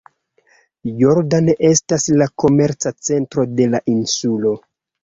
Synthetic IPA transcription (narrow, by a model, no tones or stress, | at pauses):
joɾdaneʔe̞staslako̞me̞ɾt͡sat͡se̞ntɾo̞de̞laʔinsulo̞